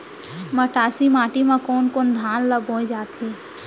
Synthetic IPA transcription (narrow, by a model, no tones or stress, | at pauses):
məʈaːsimaːʈimãkoːnkoːnd̪ʱaːnləbõːd͡ʒaːt̪ʰiː